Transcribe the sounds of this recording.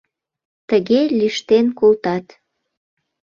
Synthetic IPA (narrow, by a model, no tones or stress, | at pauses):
t̪əɣelʲiʃt̪enkolt̪ɑt̪